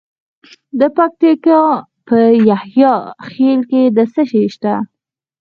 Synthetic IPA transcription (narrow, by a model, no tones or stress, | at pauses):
d̪əpak̚t̪ikɑ | pəjahjɑxelked̪əsəʃeʃt̪a